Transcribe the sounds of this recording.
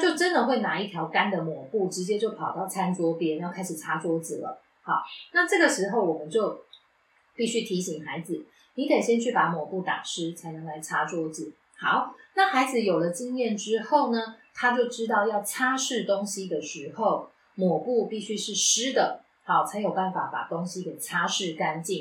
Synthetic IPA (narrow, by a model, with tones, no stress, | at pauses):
t͡ɕjo˥˩ʊʈ͡ʂə˦nd̪ə˨xwe˥˩ɪna˧˥i˥˩t̪ʰjɑ˧˥ʊka˥nd̪ə˨mwɔ˨˩pu˥˩ʈ͡ʂɻ̩˧˥t͡ɕjɛ˥t͡ɕjo˥˩ʊpʰɑ˨˩ʊt̪ɑ˥˩ʊt͡sʰa˦˥nt͡swɔ˥pjɛ˥njɑ˥˩ʊkʰa˥ɪʂɻ̩˨˩ʈ͡ʂʰa˥t͡swɔ˥d͡z̩˨lə̰˩ | hɑ˨˦ʊna˥˧ʈ͡ʂɤ˥˩ɡə˨˩ʂɻ̩˧˥xo˥˩ʊwɔ˨˩mə˨˦nt͡ɕjo˥˧ʊ | pi˥˩ɕy˥t̪ʰi˧˥ɕi˨˩ŋxa˧˦ɪd͡z̩˨˩ | ni˨˥kʰe˨˩ɪɕjɛ˥nt͡ɕʰy˥˩pa˧˥mwɔ˨˩pu˥˩t̪a̰˨˩ʂɻ̩˥t͡sʰa˧˥ɪna˥ŋla˧˥ɪʈ͡ʂʰa˥t͡swɔ˥d͡zɹ̩˨˩˦ | xɑ˨˦ʊna˥˨xa˧˥ɪd͡z̩˨jo˨˩ʊlə˩t͡ɕi˥˧ŋjɛ˥˨nʈ͡ʂɻ̩˥xo˥˩ʊnə˩t̪ʰa˥t͡ɕjo˥˩ʊʈ͡ʂɻ̩˥t̪̬ɑ˥˧ʊjɑ˥˧ʊt͡ɕʰja˥ʂɻ̩˥˩t̪o˥ŋɕi˧˥d̪ə˨ʂɻ̩˧˥xo˥˨˩ʊ | mwɔ˨˩pu˥˧pi˥˩ɕy˥ʂɻ̩˥˩ʂɻ̩˥d̪ə˨ | hɑ˧˩ʊt͡sʰa˧˥ɪjo˨˩ʊpa˥˩nfa˨˩˦pa̰˨˩t̪o˥ŋɕi˦kə˨˩ɪt͡ɕʰa˥ʂɻ̩˥˩ka˥nt͡ɕi˥˨˩ŋ